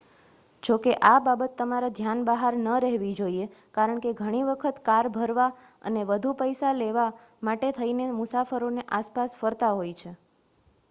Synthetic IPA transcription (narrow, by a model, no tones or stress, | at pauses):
d͡ʒokeʔababət̪ːəmaɾad̪ʱjanbəɦaɾnəɾɛɦʋid͡ʒoie | kaɾəɳkeɡʱəɽ̃iʋəkʰət̪kaɾbʱəɾʋa | ə̰neʋəd̪ʱupəjsaleʋa | maʈet̪ʰəinemʊsafəɾoneʔaspasfəɾt̪aɦojt͡ʃʰe